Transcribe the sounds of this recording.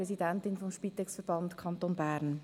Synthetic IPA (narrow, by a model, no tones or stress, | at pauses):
ɾɛsidɛntɪnfɔmʃpit̪ɛksfəɾb̥ɑntkʰɑntoːnbæːɾn